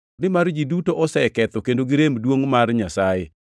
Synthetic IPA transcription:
nɪmard͡ʒidutoʔɔsɛkɛt̪ɔkendoɡɪɾemdwoŋmarɲasaje

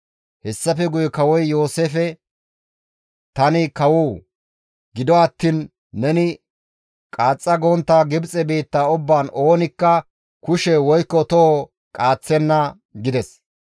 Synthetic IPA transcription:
hɛsːɐfɛɡʊjɛkɐwɔjjo̞ːseːfɛ | t̪ɐnɪkɐwʊ | ɡɪd̪ɔɐt̪ːiːnː | ɛnɪ | kʼaːt͡sʼːɐɡoːnt̪ːaːɡɪbt͡sʼɛbe̞ːt̪ːaːʊbːaːno̞ːnɪkːɐ | kʊʃɛwɔjkːɔt̪ɔ | kʼaːt͡sːɛnːɐ | ɡɪd̪ɛs

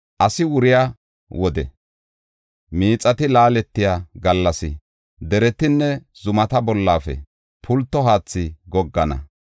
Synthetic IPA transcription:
ʔɐsɪwʊɾɪja | wɔd̪ɛ̰ | miːt͡sʼɐt̪ɪlaːlɛt̪ːɪjaːɡɐlːɐsɪ̰ | d̪ɛɾɛt̪ɪnːɛz̥ʊmɐt̪ɐbɔlːaːfɛ̰ | pʰʊlt̪ːɔɦaːt͡sːɪɡɔɡːɐnɐ̰

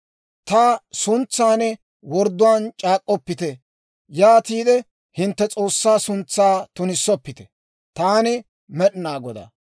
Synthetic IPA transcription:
t̪ɐsʊnt͡sːaːnɛ | wɔɾd̪ʊwaːnt͡ʃʼaːkʼːɔpːɪt̪ɛ | jaːt̪iːd̪ɛ | hɪnt̪ːɛt͡sʼo̞ːsːaːsʊnt͡sːaːt̪ʊnɪsːɔpːɪt̪ɛ̥ | t̪aːnɪ | mɛɗnaːɡɔd̪a̰

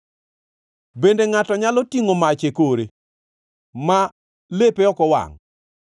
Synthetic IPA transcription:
bendeŋatɔɲalɔtiŋomat͡ʃekoɾe | ma | lepeɔkɔwa̰ŋ

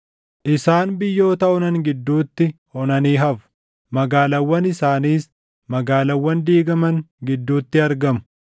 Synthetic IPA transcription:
ʔɪsaːnbɪjːo̞ːt̪ɐɔnɐŋɡɪd̪ːuːt̪ːɪ | ɔnɐniːɦɐfʊ̥ | mɐɡaːlɐwːɐnɪsaːniːs | mɐɡaːlɐwːɐnd̪iːɡɐmɐŋɡɪd̪ːuːt̪ːɪɐɾɡɐmʊ̥

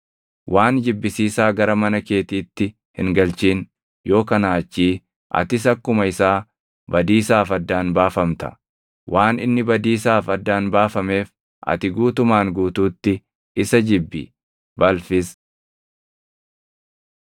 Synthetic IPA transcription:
wʔaːnd͡ʒɪbːɪsiːsaːɡɐɾɐmɐnɐke̞ːt̪iːt̪ːɪ | hɪ̰ŋɡɐlt͡ʃiːn | jo̞ːkɐnaːt͡ʃːiː | ʔɐ̰t̪ɪs̬ɐkːʊmɐɪsaː | bɐd̪iːsaːfɐd̪ːaːnbaːfɐmt̪ɐ̥̰ | wʔaːnɪnːɪbɐd̪iːsaːfɐd̪ːaːnbaːfɐme̞ːf | ʔɐ̰t̪ɪɡuːt̪ʊmaːŋɡuːt̪uːt̪ːɪ | ɪsɐd͡ʒɪbːɪ̰ | bɐlfɪs

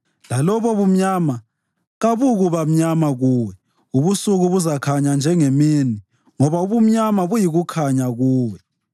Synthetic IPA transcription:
lalɔβɔβum̩ɲama | ɣaβuɣuβam̩ɲamaɣuːwɛ | uβusuɣuβuzakʰaɲand͡ʒʱɛŋemini | ŋɔβauβum̩ɲamaβujiɣukʰaɲaɣuːwɛ

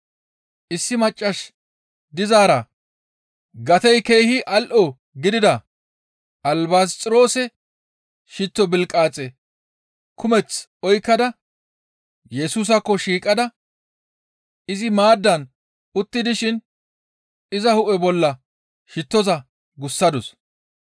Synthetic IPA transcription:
ɪsːɪmɐt͡ʃʼːɐʃ | d̪ɪzaːɾɐ | ɡɐt̪ɛjke̞jhɪʔɐlʔɔ | ɡɪd̪ɪd̪ɐ | ʔɐlbaːst͡sʼɪɾo̞ːsɛ | ʃɪt̪ːɔbɪlkʼaːt͡sʼːɛ | kʰʊmɛt͡sɔjkːɐd̪ɐ | jɛsuːs̬ɐkːɔʃiːkʼɐd̪ɐ | ɪzɪmaːd̪ːɐn | ʊt̪ːɪd̪ɪʃɪn | ɪzɐhʊʔɛbɔlːɐ | ʃɪt̪ːɔzɐ | ɡʊsːɐd̪ʊs

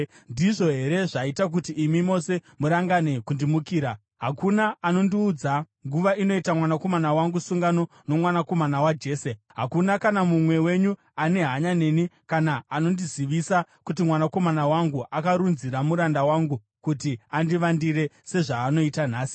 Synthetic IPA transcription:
ndiʐo̞ɦe̞ɾe̞ʐaitak̬utiʔːmimo̞se̞muɾaŋɡane̞kundimukiːɾa | ɦakunaano̞ndiuːd͡za | ŋɡuʋaino̞itamwanako̞manawaŋɡusuŋɡano̞ | no̞mwanako̞manawad͡ʒe̞ːse | ɦakunakanamumwe̞we̞ɲu | ane̞ɦaɲane̞nikanaːno̞ndiziʋisakutimwanako̞manawaŋɡuʔakaɾunziɾamuɾandawaŋɡu | kutiandiʋandiɾe̞se̞ʐaːno̞itan̤aːsi̥

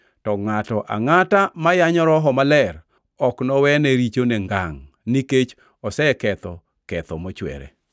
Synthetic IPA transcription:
tɔŋatɔʔa̰ŋatamajaɲɔɾɔɦɔmalɛr | ɔknɔwɛneɾit͡ʃoneŋɡaŋ | niket͡ʃ | ɔsɛkɛt̪ɔ | kɛt̪ɔmɔt͡ʃwɛ̰ɾḛ

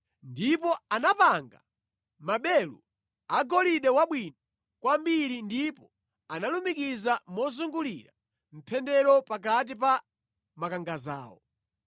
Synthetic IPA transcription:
ndipɔanapaŋɡa̰ | maɓɛlṵ | aɡɔliɗɛwaɓwina | kwambiɾindipɔ | analumikizamɔzuŋɡulḭɾa | m̩pʰɛndɛɾɔpak̬at̬ipa | makaŋɡaza̰ːwɔ̰

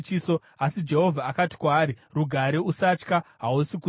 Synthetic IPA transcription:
t͡ʃiːso | asid͡ʒe̞ɦo̞vʱaːkati̥kwaːɾiruɡʱaɾeusat͡ʃkaɦausiku

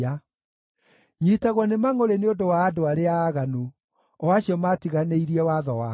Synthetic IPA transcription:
a | ɲitaɣwɔnemaŋoɾeneondowaːdoaɾeaːɣanu | ɔwaɕiɔmatiɣaneiɾiɛwaðɔwa

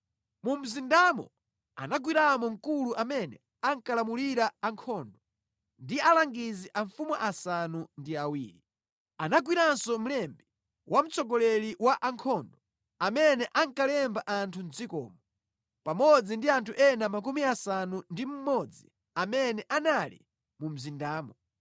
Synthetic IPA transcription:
mum̩zindamɔ̰ | a̰naɡwiɾamɔŋ̩kuluʔamɛnɛ̰ | aŋkalamuliɾaːŋkʰɔːndɔ | ndialaŋɡiziʔaɱfumaʔasanundiawiːɾi | anaɡwiɾansɔm̩lɛmbɛ | wʔam̩t͡sɔɡɔlɛliwaʔaŋkʰɔndɔ | amɛnɛʔaŋkalɛmbaʔantʰund͡zikɔ̰ːmɔ | pamɔd͡zindiantʰuʔɛnamak̬umiasanundim̩mɔd͡zi | amɛnɛʔanalḭ | mum̩zindaːmɔ

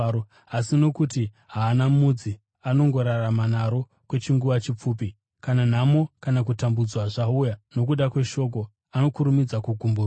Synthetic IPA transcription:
asino̞kuti | ɦaːnamud͡zi | ano̞ŋɡo̞ɾaramanaɾo̞ | kwe̞t͡ʃiŋɡuʋat͡ʃip͡fuːpi | kanan̤amo̞kanak̬utambud͡zwaʐaujano̞k̬uɗakwe̞ʃo̞k̬o̞ | ano̞kuɾumid͡zakuɡʱumbur

